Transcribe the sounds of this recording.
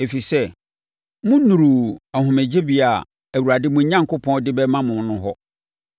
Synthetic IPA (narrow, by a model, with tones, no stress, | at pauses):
e˨fi˨sɛ˦ | mʊ̃˦nũ˨ɾu˨a˨ɦʊ̃˨mɪ˨d͡ʑe˦bi˦a˨ | æ˨wu˨ɾa˨dɪ˦mʊ̃˨˦ɲã˦ŋkʊ˦pʰɔ̃˦n˦dɪ˦bɛ˦mã˦mʊ̃˨n˦nʊ̃˦ɦɔ˦